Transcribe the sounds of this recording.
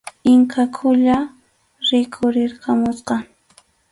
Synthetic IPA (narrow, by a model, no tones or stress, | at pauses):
ɪŋkʰakʰʊʎa | ɾɪkʰʊɾɪɾkamʊsqɑ